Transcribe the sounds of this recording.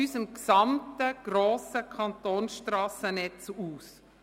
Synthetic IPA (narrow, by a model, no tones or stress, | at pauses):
ysəmksɑmtəɡ̥ɾoːsəkʰɑnt̪oːnsʃtrɑːsənɛt͡suːs